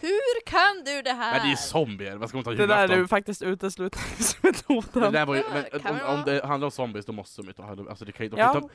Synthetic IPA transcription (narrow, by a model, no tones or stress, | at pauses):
hʉɾkʰand̪ɵd̪ɛɦæɛd̪ɛjəsɔmbɪæɾvaskavɪhːjd̪ɛd̪æːɖʉfak̚t̪ɪst̪ʉ̟ːt̪əslʉ̟ːt̪ɪŋsmɪt̪uːt̪əd̪ɛæːvaɾjmɛnɔɔmd̪ɛhand̪aɾɔmsɔmbɪsd̪ɔmɔst̪əmajt̪ʰːhɛʔa̰sɔd̪ɛkʰanj̪d̪ɔ